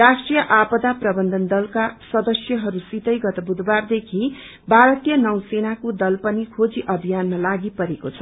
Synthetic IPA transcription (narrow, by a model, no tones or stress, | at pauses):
rasʈrijʌʔapʌd̪aprʌbʌnd̪ʱʌnd̪ʌlkasʌd̪ʌsjʌɦʌɾusit̪ʌjɡʌt̪ʌbud̪ʱward̪ekʰi | bʱaɾʌt̪ijʌnʌwsenakod̪ʌlpʌnikʰod͡ziʔʌbʱijanmalaɡipʌɾekot͡sʰʌ̥